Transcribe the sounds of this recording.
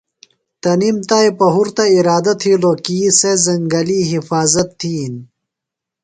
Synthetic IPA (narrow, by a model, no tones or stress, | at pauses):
t̪ɐnimt̪aːjpɐɦuɾt̪ɐiɾaːd̪ɐt̪ʰiːloːkiːsezɐŋɡɐliːɦifaːzɐt̪ʰːiːn